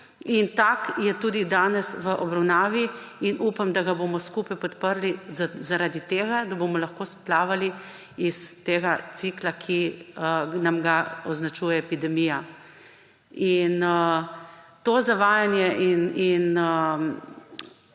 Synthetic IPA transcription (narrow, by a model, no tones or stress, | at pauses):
int̪akjɛt̪uːd̪id̪aːnɛsʋəʔɔbɾawnaːʋiinʔuːpamd̪aɡaboːmɔskuːpajpɔt̪pəɾlizaɾaːd̪it̪eːɡad̪aboːmɔlaxkoːsplaːʋali | ist̪eːɡat̪siklakʰiənamɡaɔznat͡ʃuːjɛɛpid̪ɛmiːja | in | t̪oːzaʋaːjanjɛʔininə